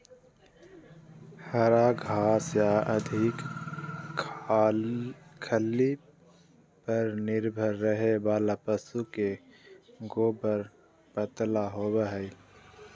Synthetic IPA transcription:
həɾaɡʱaːsjaə̰d̪ʱɪk | kʰəli | pəɾnɪɾbʱəɾːəɦebaːlapəsuke | ɡoːbəɾ | pət̪laɦoːbəɦəi

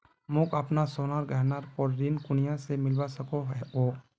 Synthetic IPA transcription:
mʊkəpnasoːnaːɾɡəɦnaːɾpɔɾɾiːnkʊnijãsemɪlwasɐkoɦɛɦoː

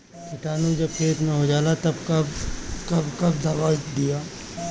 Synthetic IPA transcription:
kʰɪʈaːnud͡ʒɐb̚kʰeːt̪nɐɦod͡ʒaːlat̪ɐbkɐbkɐbkɐbd̪aʋaːd̪ijaː

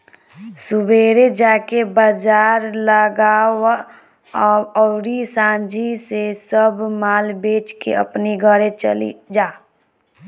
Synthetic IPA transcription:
sʊbʱeːɾed͡ʒaːkebəd͡ʒaːɾləɡaːwa | ɔɾisãːd͡ʒisesəbmaːlbeːt͡ʃkḛə̰pniɡʱəɾet͡ʃə̰lḭd͡ʒaː

